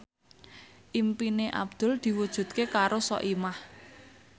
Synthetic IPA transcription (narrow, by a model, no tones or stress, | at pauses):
ʔimpineʔa̰b̚d̪̥ʊ̤ld̪̥i̤wud̥ʒ̥ṳt̪̚kekaɾosɔ̰ʔimah